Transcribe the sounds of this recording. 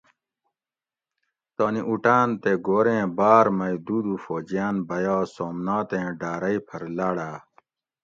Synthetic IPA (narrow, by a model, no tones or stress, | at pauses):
t̪aːniʔuʈaːnt̪eɡoːɾẽːbaːɾmɐid̪uːd̪ufoːd͡ʑijaːnbɐjaːsoːmnaːt̪ẽːɖaːɾɐipʰɐɾlaːɽaː